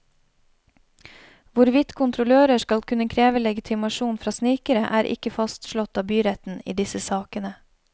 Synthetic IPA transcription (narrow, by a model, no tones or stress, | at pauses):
ʋʊɾʋɪt̪kʰʊnt̪ʰɾʊløːɾəʃkɑlkʰʉnəkʰɾeːʋəlɛɡɪt̪ʰɪmɑʃuːnfɾɑːsniːkəɾəʔæːɾʔɪ̰kəfɑst̪ʃlɔt̪ɑːbyːɾɛt̪n̩ḭːd̪ɪsəsɑːkənə